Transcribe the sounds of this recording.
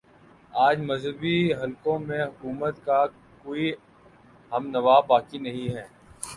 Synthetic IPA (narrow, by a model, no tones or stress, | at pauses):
aːd͡ʒmɐzɦəbiɦɐlkõmẽɦʊkuːmət̪ka | koːi | ɦɐmnɐʋaːbaːkinɐɦĩɦɛː